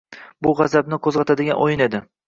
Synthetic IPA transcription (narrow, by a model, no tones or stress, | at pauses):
bʊʁɑzabnɪkʰɵzʁɑt̪ʰad̪ɪɡʲanʔojɪne̞d̪ɪ